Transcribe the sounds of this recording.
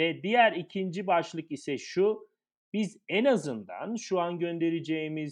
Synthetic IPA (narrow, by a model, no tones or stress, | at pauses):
ɛd̪ijæɾicʰind͡ʒibaʃlˠɯkisɛʃu | bizɛnazɯnd̪a̰nʃuanɟø̞nd̪e̞ɾed͡ʒeimiz